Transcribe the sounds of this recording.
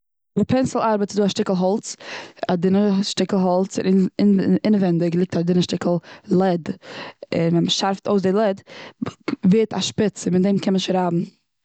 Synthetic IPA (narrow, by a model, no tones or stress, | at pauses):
vɪpʰɛnsl̩ˠaɾbətt͡sɪduːaʃtɪklˠɦɔlˠt͡sadɪnəʃtɪkəl̩ˠɦɔlˠt͡sɪ̰nɪɪɪnəvɛndɪɡlˠɪk̚tadɪnəʃtɪkəl̩ˠlˠɛd | ɪ̰nvɛnməʃaɾftoʊs̬dɪlˠɛd | veːtʰa̰ʃpɪt͡sɪmɪtdɛɪmkʰɛnmənɪʃɾabm̩